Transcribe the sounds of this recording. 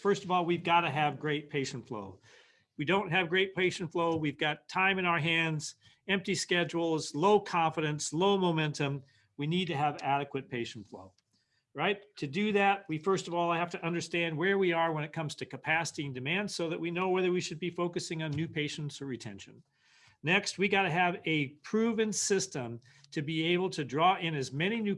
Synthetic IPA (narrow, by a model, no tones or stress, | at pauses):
fɜ˞stʌvɔlˠwivɡɑɾɨɨvɡɹeɪt̚pʰeɪʃn̩tflo̰ʊ | widõʊ̃nt̚ɦɨvɡɹeɪt̚pʰeɪʃn̩tfloʊwivɡɑtʰãɪ̃mɨ̃ñaʊə˞ɦæ̃ndz̥ | ɛ̃mp̚tiskɛd͡ʒl̩ˠzloʊkʰɑ̃ɱfɨɾɨ̃nsloʊmoʊmɛ̃ntɨ̃m | winid̚tɨːvæɾɨkwɨt̚pʰeɪʃn̩tflo̰ʊ | ɹaɪtʰɨdɨðæt̚wifɜ˞stʌvɔlˠɪhæftɨʔʌ̃ndə˞stæ̃nd̚wə˞wiə˞wə̃ñɨt̚kʰʌ̃mz̥tʰɨkɨpʰæsəɾiɨ̃ndɨmæ̃nd̥soʊðɨʔ̚winoʊwɛðə˞wiʃɨd̚bifoʊkɨsɪ̃ŋɨ̃nːʉpʰeɪʃn̩tsə˞ɹɨtʰɛ̰̃nʃɨ̰̃n | nɛkst̚wiɡɑɾɨɨvɨpʰɹ̥ʉvɨ̃nsɪstə̃m | tʰɨbieɪbl̩ˠtʰɨdɹɔɪ̃nɨzmɛñinʉ